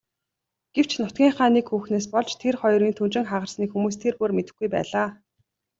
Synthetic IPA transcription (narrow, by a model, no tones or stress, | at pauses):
ɡ̥ew̥t͡ɕnʊt̪̚ɡʲiːŋχaːniːkxuːxneːs̬pɔɮt͡ɕt̪ʰerχɔjɾiːnt̪ʰunt͡ɕɪ̆ŋχaʁə̆rsniːkxumuːs̬t̪ʰerpormet̪ɘ̆xɡujpæ̰ːɮaː